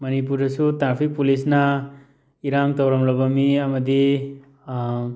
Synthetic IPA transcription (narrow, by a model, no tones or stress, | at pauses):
mɐnip̬uɾdɐsutɾaɾpʰik̚pulisna | iɾaŋtawɾamlɐbɐmiɐmɐdi